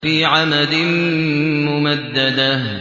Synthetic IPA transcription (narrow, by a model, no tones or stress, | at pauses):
fiːʕamad̪ɪnmʊmad̪ːad̪a